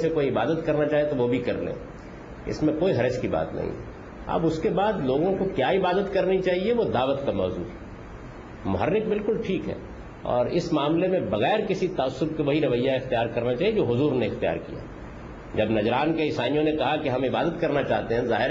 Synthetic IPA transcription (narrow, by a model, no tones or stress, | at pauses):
sekoːiɪbaːd̪ət̪kɐɾnat͡ʃaːɦiet̪oʋobʱikɐɾlḛ̃ː | ɪ̰smẽkoːiɦɐɾəʃkiba̰ːt̪nɐ̰ɦḭ̃ɦɛ̰ | ɐ̰bʊskebaːd̪loːɡõkokjaɪbaːd̪ət̪kɐɾnit͡ʃaːɦieʋod̪aːʋət̪kamɔːzṵːɦɛ | mʊɦəɾːɪk̚bɪlkʊlʈʰiːkɦɛ̰ː | ɔ̰ːɾɪsmaːmlemẽbɐɣɛːɾkɪsit̪ɐəsːʊb̚keʋɐɦiɾɐʋəjːaɪxt̪ijaːɾkɐɾnat͡ʃaːied͡ʒoːɦʊzuːɾneɪxt̪ija̰ːɾkḭja̰ | d͡ʒɐbnɐd͡ʒɾaːnkeɪsaːnijõnekɐɦakeɦɐ̃mɪbaːd̪ət̪kɐɾnat͡ʃaːɦt̪eɦɛ̃zaːɦɪɾ